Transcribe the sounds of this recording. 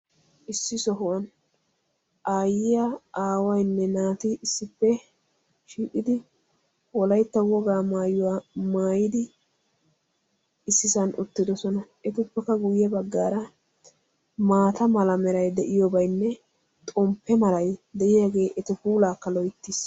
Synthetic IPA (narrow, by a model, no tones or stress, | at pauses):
ʔɪsːɪsɔɦʊwɐn | ʔaːjɪjaaːwɐjnːɛnaːt̪ɪɪsːɪpːɛ | ʃiːkʼːɪd̪ɪ | wɔlɐjt̪ːɐwɔɡaːmaːjʊwamaːjɪd̪ɪ | ɪsːɪsɐnʔʊt̪ːɪd̪ɔsɔnɐʔɛt̪ʊpːɛkːɐɡʊjːɛbɐɡːaːɾɐ | maːt̪ɐmɐlɐmɛɾɐjd̪ɛʔɪjɔbɐjnːɛ | t̪ʼɔmpːɛmɐlɐjd̪ɛʔɪjaːɡe̞ːʔɛt̪ɪfuːlaːkːɐlɔjt̪ːiːs